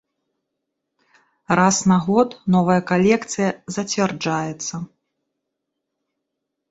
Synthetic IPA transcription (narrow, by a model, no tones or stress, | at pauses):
rasnaɣɔt̪nɔvɐjɐkalʲɛkt̪sɨjɐzɐt͡sʲvʲɛrd͡ʐajɛt̪sːɐ